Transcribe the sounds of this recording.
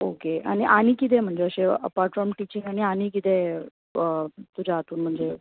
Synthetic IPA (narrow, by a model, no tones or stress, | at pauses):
okea̰ɽ̃iʔañiːkit̪̬ẽm̤əɳd͡zeəɕeə̰paɾʈfɾɔɾmʈit͡ɕiŋɡaɽ̃ianikit̪ẽ | ət̪ud͡ʑʱaɦat̪uːnm̤əɳd͡ze